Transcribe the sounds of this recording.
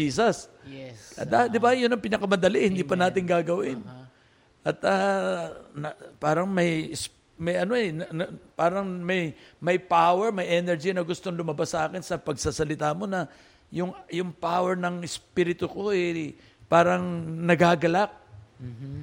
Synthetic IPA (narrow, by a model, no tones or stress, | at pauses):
iːsɐs | ʔɐd̪ad̪ɪbajʊnɐŋpɪnɐkɐmɐnd̪ɐlihɪnd̪iːpɐnaːt̪ɪŋɡaːɡɐwɪn | ʔɐt̪ɐ | nɐpaːɾɐŋmɐjɪs | mɐjɐno̞ɛnɐnpaːɾɐŋmɐjmɐjpawɛɹmɐjʔɛnɛɹd͡ʒinɐɡʊst̪oŋlʊmɐbasːɐʔaːkɪnsɐpɐɡsasɐlɪt̪aːmo̞nɐ | jʊŋjʊŋpawɛɹnɐŋɪspiːɾɪt̪ʊko̞ʔɛ | paːɾɐŋnɐɡaɡɐlak̚